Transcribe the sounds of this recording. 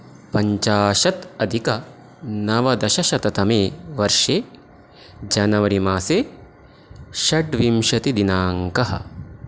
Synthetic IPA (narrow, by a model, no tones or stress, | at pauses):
pɐɲt͡ʃaːʃɐt̪ɐd̪ʱikɐ | nɐʋɐd̪ɐʃɐʃɐt̪ɐt̪ɐmeːʋɐɾʂeː | d͡ʒɐnɐʋɐɾimaːseː | ʃɐɖʋimʃɐt̪id̪inaːŋkɐɦɐ̰